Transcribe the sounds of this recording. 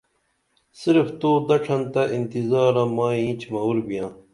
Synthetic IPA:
siɾft̪oːd̪ɐʈ͡ʂʰɐnt̪ɐʔint̪izaːɾãːmaːĩːt͡ɕʰmɐwuɾbijãː

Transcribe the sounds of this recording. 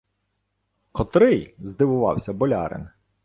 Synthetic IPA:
kɔt̪ɾɪjzd̪ɪʋʊʋɑ̰wsʲɐbɔlʲɑ̰ɾɪ̰n

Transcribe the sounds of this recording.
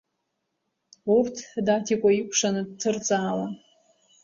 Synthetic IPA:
urtʰdatʰikʷʼaikʷʰʼʂanɨd̚tʰɨrt͡sʼaːla

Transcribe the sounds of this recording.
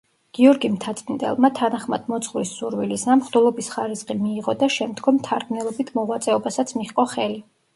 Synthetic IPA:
ɡ̥iɔɾɡimt̪ʰat̪sʼind̪ɛ̰lˠmat̪ʰanaχmad̪̥mɔt̪sʰχvɾisuɾwilisamχd̪ulˠɔbisχaɾisχʼimiːʁɔd̪aʃɛmd̪ɡɔmt̪ʰaɾɡnɛlˠɔbit̪ʰmɔʁwat̪sʼɛɔbasat̪sʰmiχqʼɔχɛli

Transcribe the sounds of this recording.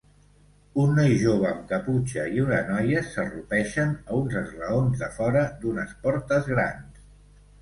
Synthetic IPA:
unːɔjʒoβəmkəput͡ʃəiunənɔjəsərupɛʃənəunzəzrəonzðəfɔɾəd̪unəspɔɾt̪əzɣɾa̰ns

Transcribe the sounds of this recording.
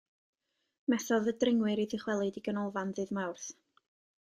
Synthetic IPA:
mɛθɔðədrɪŋwɨɾidɪχwɛlˠɨdiɡənɔlˠvanðɨðmawrθ

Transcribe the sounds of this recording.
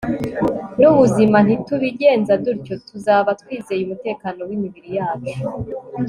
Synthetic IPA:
nuβuziman̥ituβiɟe̞ːnzaduɾco̞tuzaːβatwiːze̞jumute̞ːkaːno̞wimiβiɾijaːt͡ʃo̥

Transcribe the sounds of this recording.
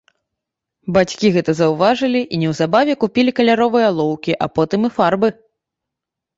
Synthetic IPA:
bat͡sʲkʲiɣɛt̪ɐzɐwvaʐɨlʲiʔinʲɛwzabavʲɛkupʲilʲikɐlʲaɾɔvɨjɐlˠɔwkʲiʔapɔt̪ɨmifarbɨ

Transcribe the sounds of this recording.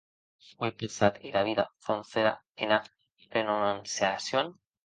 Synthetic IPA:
fwepensat̪elaβiðafonθeɾa̰ | ena | renomansjasjon

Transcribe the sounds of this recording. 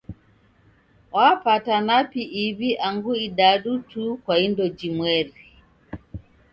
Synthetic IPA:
wapatanapiʔiβiʔaŋɡuiɗaɗutukwaindɔd͡ʒimwɛɾi

